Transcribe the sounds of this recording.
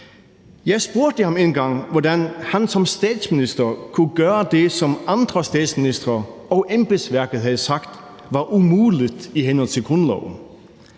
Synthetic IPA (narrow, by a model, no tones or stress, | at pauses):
jæɪspoɐd̥əhɑmenɡɑ̈ŋʋɔdænhænsɔ̽mst̪ɛːd̥smɪnisd̥ɐkʰuɡ̥œːəd̪esɔmɑnd̪̥ʁəst̪ɛːd̥smɪnisd̥ʁɐɒʔemb̥ɪsʋæɐɡ̥əð̩ˠhæðˠəsɑ̈ɡ̥d̥ | ʋɑʔumuːlɪd̪̥iɦenɔlˠt͡sʰɪ̝lɡ̥ʁɔnlɔ̰ʊn̩